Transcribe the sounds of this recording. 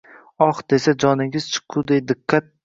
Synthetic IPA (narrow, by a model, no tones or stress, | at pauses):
ɒχd̪̥e̞sad͡ʒɒnɪŋɪz̥t͡ʃʰɨ̥qʰʊd̪ejd̪ɨqʰːat̪̚